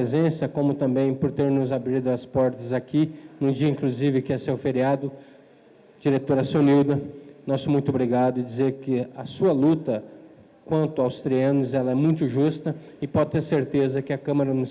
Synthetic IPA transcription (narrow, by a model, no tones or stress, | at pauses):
ezẽsɐkõmʊt̪ɐ̃mbẽj̃poɾt̪eɾnʊzabɾid̪ʊɐspɔɾt̪ɐzakinʊ̃d͡ʒiɐĩkluzivɪkɪɛsewfeɾiad̪ʊ | d͡ʒiɾet̪oɾɐsõniwd̪ɐnɔsʊmũj̃t̪ʊobɾiɡad̪ʊɪd͡ʒizeɾkɪɐsuɐlut̪ɐ | kwɐ̃nt̪ʊawst̪ɾiɐ̃nʊzɛlɐɛmũj̃t̪ʊʒust̪ɐ | ɪpɔd͡ʒɪt̪eɾseɾt̪ezɐkɪɐkɐ̃mɐɾɐnʊ